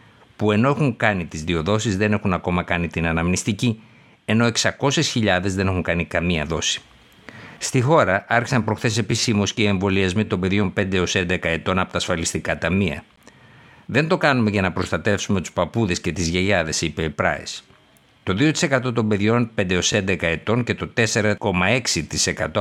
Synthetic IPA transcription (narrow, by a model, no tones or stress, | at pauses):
pue̞no̞exuŋkɐnit̪izðio̞ðo̞sizðe̞nexunɐko̞mɐkɐnit̪inɐnɐmnist̪ici | e̞no̞eksɐko̞se̞sçiʎɐðe̞zðe̞ne̞xuŋkɐnikɐmiɐ̰ðo̞si̥ | st̪ixo̞ɾɐɐɾçisɐmpɾo̞xθe̞s̬e̞pissimosceie̞ɱvo̞liɐzmit̪o̞mbe̞ðʝo̞mpe̞nd̪e̞o̞se̞nd̪e̞kɐe̞t̪o̞nɐpo̞t̪ɐːsfɐlist̪ikɐt̪ɐmiɐ̰ | ðe̞nd̪o̞kɐnume̞ʝɐnɐpɾo̞st̪ɐt̪e̞fsume̞t̪u̥spɐpuðe̞sce̞t̪izʝeʝɐðe̞sipeipɾɐ̰ḛs | t̪o̞ðiot̪i̥sekɐt̪o̞t̪o̞mbe̞ðʝo̞npe̞nd̪eo̞se̞nd̪e̞kɐe̞t̪o̞nce̞t̪o̞t̪e̞se̞ɾɐko̞mɐe̞ksit̪ise̞kɐt̪o̞